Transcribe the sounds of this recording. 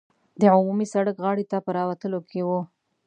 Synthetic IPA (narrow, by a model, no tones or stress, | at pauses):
d̪əʕʊmumisaɽəkɣɑɽit̪apəɾɑwat̪əlokʰewu